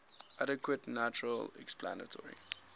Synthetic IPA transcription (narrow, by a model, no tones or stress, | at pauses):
ʔaɾəkwətnat͡ʃuɹəlɛ̰kspla̰nə̰tʰɔɹḭ